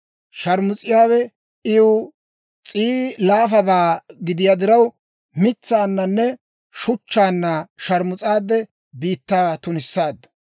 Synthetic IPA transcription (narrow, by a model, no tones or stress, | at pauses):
ʃɐɾmʊt͡sʼɪjaːwɛ | ɪj | t͡sʼiːlaːfɐbaːɡɪd̪ɪjad̪ɪɾɐw | mɪt͡sːaːnːɐnːɛ | ʃʊt͡ʃːaːnːɐʃɐɾmʊt͡sʼaːd̪ːɛ | biːt̪ːaːt̪ʊnɪsːaːd̪ːɐ̥